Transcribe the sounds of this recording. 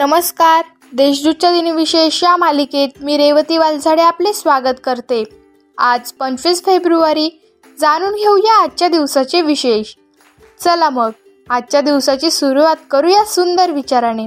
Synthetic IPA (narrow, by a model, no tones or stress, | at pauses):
nəməskaɾ | d̪eɕd̪ut͡ɕad̪iniʋiɕeɕjamaliket̪̚miːɾeʋət̪iʋald͡zʱaɽeaplesʋaɡət̪kəɾt̪e | ad͡zpəɲt͡ɕʋiːsfebɾuaɾiː | d͡zaɽ̃uːnɡʱeujaːt̪̚ːt͡ɕjad̪iʋsat͡ɕeʋiɕeɕ | t͡səlaməɡ̚ | at̪t͡ɕjad̪iʋsat͡ɕesuɾuʋat̪kəɾuːjasund̪əɾʋit͡ɕaɾaɽ̃e